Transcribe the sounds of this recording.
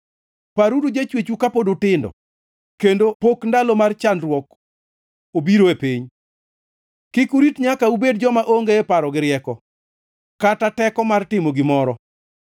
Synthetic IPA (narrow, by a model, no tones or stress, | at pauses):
paɾudud͡ʒet͡ʃwet͡ʃukapodotɪndɔ̰ | kendopokndalomart͡ʃandrwɔk | obiɾoepiɲ | kɪkuɾitɲakaubed̚d͡ʒɔmaʔoŋɡeepaɾɔɡɪɾɪɛkɔ | katatɛkɔmartɪmoɡɪmɔɾɔ